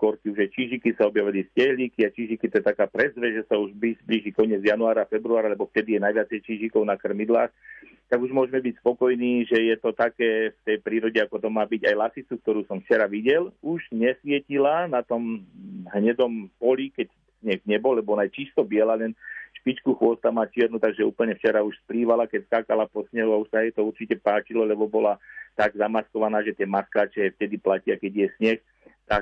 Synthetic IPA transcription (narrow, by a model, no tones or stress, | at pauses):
kɔɾkiuʒajt͡ʃiʒikisaɔbjaʋiliscɛɦliːkiat͡ʃiʒikit̪ɔjɛt̪akaːpɾɛzʋɛʒɛsauʒbizbliʒikɔɲɪɛd͡zjanuaːɾafɛbɾuaːɾalɛbɔft̪ɛd̪ijɛnajʋɪat͡sɛjt͡ʃiːʒikɔʊnakr̩mid̪laːx | t̪aɡuʒmʊɔʒɛmɛbicspɔkɔjniːʒɛjɛt̪ɔt̪akɛːft̪ɛjpɾiːɾɔɟɛakɔt̪ɔmːaːbiɟajlasit͡suk̚t̪ɔɾuːsɔmft͡ʃɛɾaʋiɟɛluʒɲɛsʋɪɛcilanat̪ɔmɦɲɛd̪ɔmpɔlikɛc | sɲɛɣɲɛbɔlːɛbɔnajt͡ʃist̪ɔbɪɛlalɛnʃpit͡ʃkuxʋʊɔst̪amaːt͡ʃɪɛɾnut̪aɡʒɛṵːpl̩ɲɛft͡ʃɛɾauʃspliːʋalakɛcskaːkalapɔsɲɛɦuauʃsaajt̪ɔuɾt͡ʃicɛpaːt͡ʃilɔlɛbɔbɔlat̪aɡzamaskɔʋanaːʒɛt̪ɪɛmaskaːt͡ʃɛft̪ɛd̪iplacɪakɛɟjɛsɲɛx | t̪ak̚